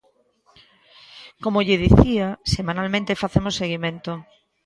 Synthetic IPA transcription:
komoʎeðiθiasemãnalmẽnt̪efaθemoseɣ̞imẽnt̪o

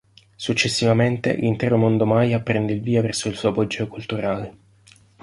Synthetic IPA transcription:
sut͡ʃːesːivament̪ḛlint̪ɛːɾomond̪omajapɾɛnd̪eilviːavɛrsoilsuːapɔd͡ʒːokult̪uɾaːle

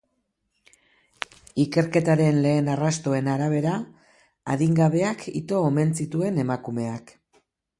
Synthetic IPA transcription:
ike̞ɾke̞t̪aɾe̞nle̞ːnarast̪o̞e̞naɾaβ̞e̞ɾa | a̰ðiŋɡaβe̞akʰḭt̪o̞ːme̞nt͡sit̪ue̞ne̞makume̞ak

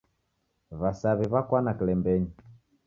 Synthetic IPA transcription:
βasaβiβakwanakilɛmbɛɲi

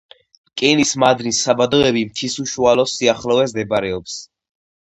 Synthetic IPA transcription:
kʼɛnismad̪nisːabad̪ɔɛbimt̪ʰisuʃualɔsiaχlɔvɛzd̪ɛbaɾɛɔps

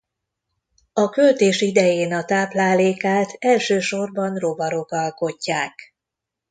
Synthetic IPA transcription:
ɒkølt̪eːʃid̪ɛjeːnɒt̪aːplaːleːkaːlt̪ʰɛlʃøːʃo̞rbɒnro̞bɒɾo̞kɒlko̞cːaːk

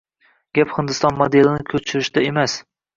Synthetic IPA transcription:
ɡʲaphɪnd̪ɪst̪ɒnmod̪elɪnɪkʲʰɵt͡ʃʰɪɾɪʃd̪aemas

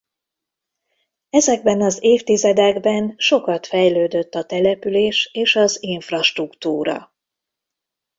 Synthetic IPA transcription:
ɛzɛɡ̚bɛnɒzeːft̪izɛd̪ɛɡbɛnʃo̞kɒt̪fɛjløːd̪øt̪ːɒt̪ɛlɛpyleːʃeːʃɒziɱfrɒʃt̪rukt̪uːɾɒ̰

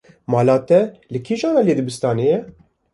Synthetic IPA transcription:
mɑːlɑːt̪ɛlɨkʰiːʒɑːnɑleːd̪ɨbɨst̪ɑːnejɛ

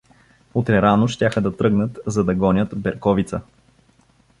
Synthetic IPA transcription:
ot̪ɾɛɾanoʃt̪ʲjaxəd̪ɐt̪ɾɤɡnət̪zɐd̪ɐɡɔnʲət̪bɛɾkɔvit̪sə

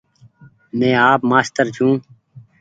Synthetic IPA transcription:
mẽːaːpmaːst̪əɾt͡ʃʰũː

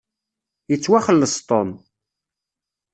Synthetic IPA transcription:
jət͡sːwaχəlːəst̪ˤon

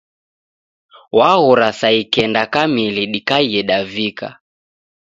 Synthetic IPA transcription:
waɣuɾasaikɛndakamiliɗikaiɛɗavika̰

